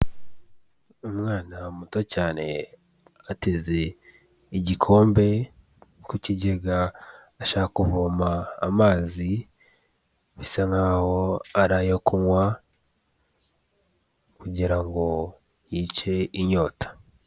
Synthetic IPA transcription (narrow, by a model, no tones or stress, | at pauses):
umŋaːnamutocaːne̞ | ateze̞ | iɟikʰo̞ːmbe̞ | kuciɟeɡaː | ʃaːhakuβomaːmaːzi | βisaŋɡaho̞aɾajokuŋwa | kuɟiɾaŋɡo̞ | jiːt͡ʃe̞iɲo̞ːtḁ